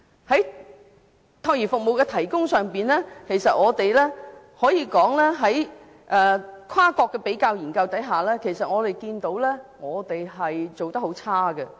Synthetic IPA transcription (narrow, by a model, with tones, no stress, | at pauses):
hɐ˨˥j | t̪ʰɐ˥˧wjiː˨˩fʊ˨k̚mo˨wkɛː˧t̪ʰɐ˨˩jkʊ˥ŋsœː˨ŋpiː˨˩nlɛː˥kʰe˨˩jsɐ˨t̚ŋɔː˨˧t̪e˨jlɛ˥ | hɔː˨˥jiː˧kɔː˨˥ŋlɛː˥ɦɐ˨˥j | ʔɛː˨kʷʰwaː˥kɔː˧kːɛː˧pe˨˥jkaː˧wjiː˨˩nkɐ˧wt̪ɐ˨˥jɦaː˨lɛː˥kʰe˨˩jsɐ˨t̚ŋɔː˨˧t̪e˨˩jkiː˧nt̪o˨˥wlɛː˥ŋɔː˨˧t̪e˨jɦɐ˨jt͡so˨wt̪ɐ˥kho˨˥wt͡sʰaː˥ɡə˧